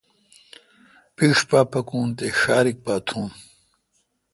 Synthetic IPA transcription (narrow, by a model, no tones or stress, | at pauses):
piʂpaːpɐkũːnt̪eɕaːɾik̚paːt̪ʰũːn